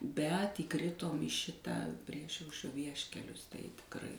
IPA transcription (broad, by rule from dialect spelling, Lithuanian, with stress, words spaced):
bʲɛt iːˈkrʲɪtoːm iː ˈʃʲɪtɑː ˈpʲrʲiɛʃɐʊʃʲrʲoː ˈʋʲiɛʃʲkʲɛlʲʊs tɐɪ tʲɪkˈrɐɪ